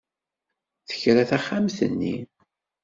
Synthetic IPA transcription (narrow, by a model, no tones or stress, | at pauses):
θə̥çɾæθæχːamθə̰nːḭ